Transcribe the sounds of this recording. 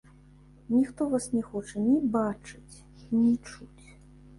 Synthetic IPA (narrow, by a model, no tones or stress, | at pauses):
nʲixt̪ɔvasnʲɛxɔt͡ʂɐnʲibat͡ʂɨt͡sʲ | nʲit͡ʂut͡sʲ